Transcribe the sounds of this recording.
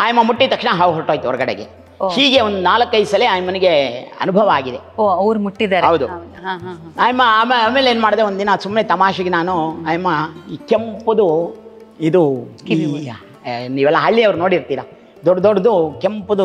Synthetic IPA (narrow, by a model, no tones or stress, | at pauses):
aːjɐmːɐmuʈːit̪ɐkʂɳɐɦaʋɦoʈːoːjt̪uɔɾɐɡɐɽḛɡḛ | hiːɡe̞ond̪unaːlɐkːɐjsɐleaːjɐmɐniɡeɐ̰nubʱɐʋɐaːɡid̪eoɐʋɾmuʈːid̪aːɾɦɐwd̪uɐ | ɦa | aːjɐmːɐaːmeaːmeleeːnumaːɽd̪eond̪d̪inɐsumːnet̪ɐmaːʃɐɡenaːnuaːjɐmːɐkempud̪u | id̪ui | niːʋɛlːɐɦɐɭːiɐʋɐɾnoːɽiɾt̪iːɾɐ | d̪ɔɖd̪oɖd̪ukempud̪u